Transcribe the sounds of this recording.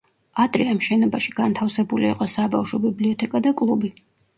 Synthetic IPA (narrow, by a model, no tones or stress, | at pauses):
at̪ʼɾiamʃɛnɔbaʃiɡ̥ant̪ʰafsɛbulḭːqʼɔsabafʃɔbibliɔt̪ʰɛkʼad̪akʼlˠubi